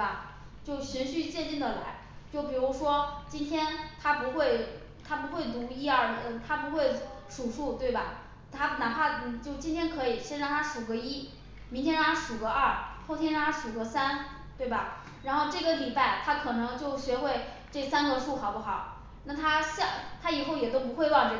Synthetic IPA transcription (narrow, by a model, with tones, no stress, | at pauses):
ɐ˨˩ | t͡ɕjo˥˩ʊɕy˧˥nɕy˥˧t͡ɕjɛ˥˧nt͡ɕi˥˩ŋd̪ə˩la̰˧˥ɪ | t͡ɕjo˥˩ʊp̬i˨˩ɻu˧˥ʂwɔ˥t͡ɕi˥nt̪ʰjɛ˥nt̪ʰa˥pu˧˥xwe˥˩ɪ | t̪ʰa˥pu˧˥xwe˥˩ɪt̪u˧˥i˥ə˧˩ə˧t̪ʰa˥pu˧˥xwe˥˩ɪʂu˨˩ʂu˥˩t̪we˥˩ɪbɐ˩ | t̪ʰa˥na˨˩pʰa˥˩˨t͡ɕjo˥˩ʊt͡ɕi˥nt̪ʰjɛ˥nkʰɤ˧˥i˨˩ɕjɛ˥nʈ͡ʂʰa˥˧˩pʰa˥˩ʂu˨˩ɡə˥i˥ | mi˧˥nt̪ʰjɛ˥nɻɑ˥˩ŋ˥ʂu˨˩ɡə˧˦ə˞˥˩xo˥˩ʊt̪jɛ˥nɻŋ˥ʂu˨˩ɡə˧˥sa˥n | t̪we˥˩ɪbɐ˨˩ | ɻa˧˥nxo˥˧ʊʈ͡ʂɤ˥˩ɡə˦li˨˩pa˥˩ɪt̪ʰa˥kʰɤ˨˩nɤ˧˥ŋt͡ɕjo˥˩ʊɕɥɛ˧˥xwe˥˧ɪ | ʈ͡ʂɤ˥˩sa˥nɡə˧ʂu˥˩xɑ˨˩ʊpu˥˩xɑ˨˩˦ʊ | na˥˩t̪ʰa˥ɕɑ˥˧˩t̪ʰa˥i˨˩xo˥˩ʊjɛ˨˩t̪o˥ʊp̬u˧˥xwe˥˧ɪwɑ˥˧ŋt͡ɕɥɛ˧˥